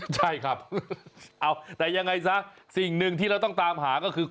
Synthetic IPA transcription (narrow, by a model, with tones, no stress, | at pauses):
t͡ɕʰa˥˩jkʰa˦˥˩p̚ | ʔa˧˩wt̪ɛː˨˩ja˧ŋːa˧jsa˦˥si˨˩ŋnɯ˧ŋt̪ʰiː˥˩ɾa˧wt̪ɔ˥˩ŋt̪aː˧mɦaː˩˦kɔː˥˩kʰɯː˧